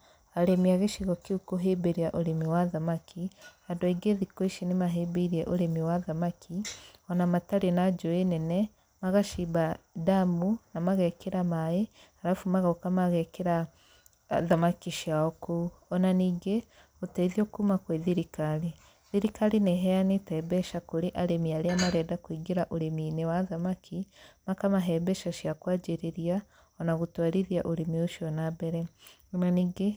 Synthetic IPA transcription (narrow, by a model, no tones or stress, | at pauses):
aɾemiaɣeʃiɣɔkiukoɦebeɾiaʔoɾemiwaðamakʰi | andoeiɡeðikoiʃinemaɦebeiɾiɛʔoɾemiwaðamakʰiɔnamataɾenad͡ʒoenɛnɛ | maɣaʃibadamunamaɣɛkeɾamaeaɾafumaɣaokamaɣɛkeɾa | ðamakiʃiaokuɔnaniɡe | uteiðiokumakweðiɾikali | ðiɾikalineɦɛanitɛbɛʃakuɾiʔaɾemiaɾeamaɾɛdakwiːɡiɾaʔuɾeminewaðamakʰimakamaɦɛbɛʃaʃiakwaːd͡ʒiɾiɾia | ɔnaɣutwaɾiðjaʔuɾimiuʃiɔnabɛɾɛ | naniɡe